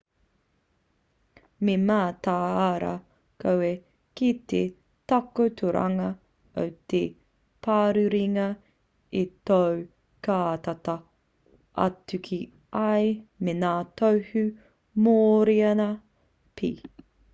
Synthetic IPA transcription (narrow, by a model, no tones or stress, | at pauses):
memaːt̪aːaɾɐ̰ | kowe | kit̪ḛ | tɐkot̪ʰuɾɐa̰ŋɐ | o̰wt̪e | pʰaːɾʉɾiŋɐ | itow | kaːt̪ɐtɐ | ʔɐ̰tʉkʰi | ɐjmenaːtowhʉ | moːɾiɐnɐ | pʰḭ